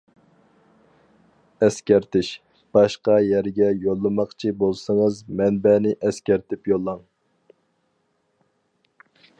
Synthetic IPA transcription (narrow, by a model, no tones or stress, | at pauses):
ɛskʲæɾt̪ʰɪʃ | b̥ɑʃqɑjæɾɡʲɛjolˠːɨmɑχt͡ʃʰibolˠsəŋəzmɛnbɛnɪʔɛskʲæɾt̪ʰɪpjolˠːɑŋ